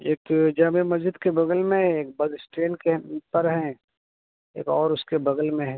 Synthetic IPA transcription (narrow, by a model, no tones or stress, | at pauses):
eːkd͡ʒaːmemɐzd͡ʒɪd̪kebɐɡəlmẽɦɛ̃eːk̚bɐd̪sʈɾeːnkepɐɾɦɛ̃ | ḛːkɔːɾʊskebɐɡəlmẽɦɛ̃